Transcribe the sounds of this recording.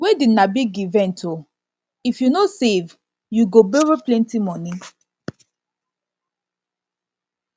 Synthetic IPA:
wɛdinabiɡivɛ̃ntʰo | ifjunosev | juɡobɛɹiplɛ̃ntimɔnĩ

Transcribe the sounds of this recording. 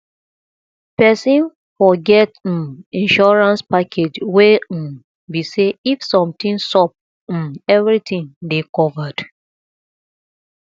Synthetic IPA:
pɛsĩn | fɔɡɛt̩ĩnʃɔɹãnspakʰed͡ʒwe | biseifsɔ̃mtĩnsɔp̩̚ | ɛvɹitʰĩŋdekɔvad̥

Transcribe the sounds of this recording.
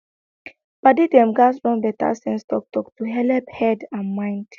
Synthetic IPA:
b̥adidɛ̃mɡasɹɔ̃ndɛta̰sɛ̃nstɔk̚tɔktuɦɛlɛphɛdãnmãɪ̃nd̥

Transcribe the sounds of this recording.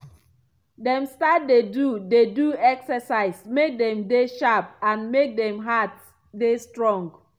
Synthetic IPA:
dɛ̃mstat̚dedudeduɛksəsaɪsmek̚dɛ̃mdeʃap̚ãnmek̚dɛ̃mɦat | destɹɔ̃ŋɡ

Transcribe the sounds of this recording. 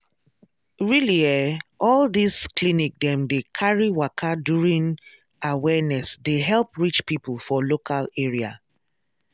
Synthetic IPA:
ɹiliɛɔldisklinik̚dɛ̃mdekʰaɹiwakʰadjuɹĩn | awɛnɛsdeɦɛlˠpɹit͡ʃpipəlˠfɔlokʰaleɹia̰

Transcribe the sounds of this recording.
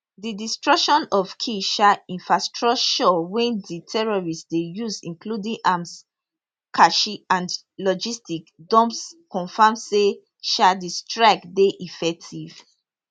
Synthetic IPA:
didistɹɔkʃɔ̃nɔv̥kʰiʃaĩnfɹastɹɔt͡ʃɔwɛ̃nditʰɛɹɔɹistsdejusĩŋkludĩŋʔams | kʰaʃiãnd | lɔd͡ʒistikdɔ̃mpskɔ̃nfamse | ʃadistɹakdeʔifɛk̚tʰiv̥

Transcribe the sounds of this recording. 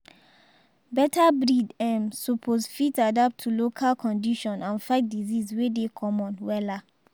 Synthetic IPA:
bɛtʰabɹidɛ̃msupʰozfitadap̚tʰːulokʰalkʰɔ̃ndiʃɔ̃nãnfaɪt̚dizizwedekʰɔ̃mɔ̃nwɛla

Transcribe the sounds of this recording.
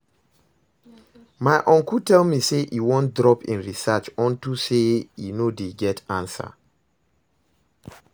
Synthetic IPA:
maɪʔɔ̃ŋkutʰɛlmiseʔiwɔ̃ntdɹɔpḭ̃nɹisat͡ʃɔ̃ntusejḭnodeɡɛtʰãnsa̰

